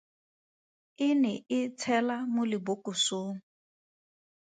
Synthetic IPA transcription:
ɪnɛɪt͡sʰɛlamʊlɪbʊkʼʊsoːŋ̩

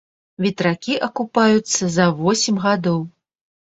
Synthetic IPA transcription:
vʲit̪ɾakʲiʔɐkupajut̪sːɐzɐvɔsʲimʲɣad̪ɔw

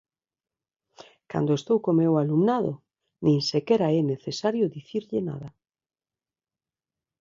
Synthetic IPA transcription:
ka̰nd̪oest̪owkomewalumnaðo̰ | nĩŋsekeɾaɛneθesaɾjʊðiθiɾʎena̰ða

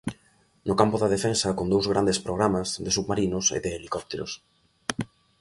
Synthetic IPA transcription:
nʊkampʊðɐðefensɐkond̪owzɣɾand̪espɾoɣ̞ɾamazðɪsuɣmaɾinʊsḛðeːlikɔp̚t̪eɾʊ̰s

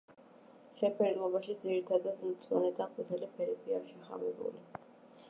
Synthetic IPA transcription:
ʃɛpʰɛɾimɔbaʃid̪ziɾit̪ʰad̪ad̪mt̪sʰʼwanɛd̪aqʼut̪ʰɛlipʰɛɾɛpʰiaʃiχa̰mɛbṵli

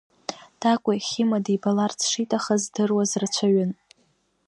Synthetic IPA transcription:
d̥akʷʼaχʲɪmadibalart͡sʰʂitʼaχazdɨrwazrt͡ɕʷʰaɥɪn

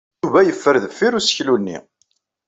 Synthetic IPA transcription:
uvæjəfːəɾðəfːiɾusçlunːḭ

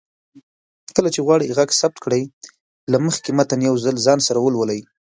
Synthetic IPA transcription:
kəlat͡ʃeɣwɑɽijɣaɡsab̚t̪kɽaj | laməxkemat̪anjawzalzɑnsaɾawəlwəlaj

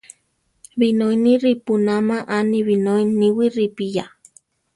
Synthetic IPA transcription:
βinoiniɾipunamaʔaniβinoiniwiripija

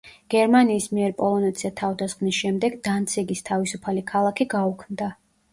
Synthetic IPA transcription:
ɡ̥ɛɾmaniːsmiɛɾpʼɔlˠɔnɛt̪sʰiat̪ʰavd̪asχnisʃɛmd̪ɛɡd̪ant̪sʰiɡist̪ʰavisupʰalikʰalˠakʰiɡaukʰmd̪a

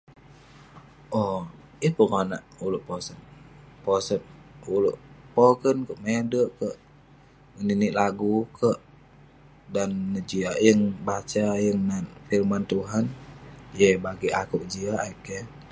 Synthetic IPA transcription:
ʔɔ | əpəŋanaʔuluʔposənposət̪̚uluʔpokənkəʔmedəʔkəʔ | ŋəniniʔlaɡukʰəʔ | danːəd͡ʒiajəŋbat͡ʃajəŋnanfilmant̪uɦanjəbaɡiʔakuʔd͡ʒiaaikə

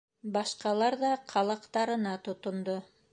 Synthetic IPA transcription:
bɑʃqɑlˠɑɾðɑqʰɑlˠɑqt̪ɑɾɤ̆nɑt̪ŏt̪ŏnd̪o

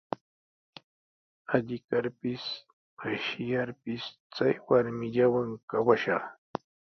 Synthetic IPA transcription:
aʎɪkaɾpɪs | maʃɪjaɾpɪs | t͡sajwaɾmɪʎawaŋkawaʃɑχ

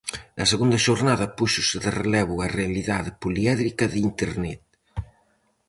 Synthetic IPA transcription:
d̪ɐseɣund̪ɐʃoɾnaðɐpuʃʊseðerelɛβuɐrealiðaðepuliɛðɾikɐðint̪eɾnɛt̪

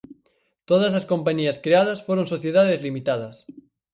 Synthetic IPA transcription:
t̪oðazlaskompaɲiaskɾeað̞asfoɾonsoθjeðað̞ezlimit̪að̞as

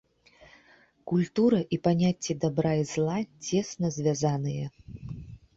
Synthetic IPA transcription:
kulʲt̪uɾɐʔipanʲat͡sʲːɛd̪abɾajizlˠat͡sʲɛsnɐzʲvʲazanɨjɐ

